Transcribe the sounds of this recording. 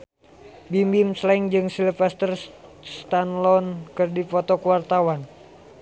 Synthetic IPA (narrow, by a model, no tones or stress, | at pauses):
bimbimslaŋd͡ʒɨŋsilfɛst̪ərst̪anlɔnkɨrdifɔt̪ɔkuwart̪awan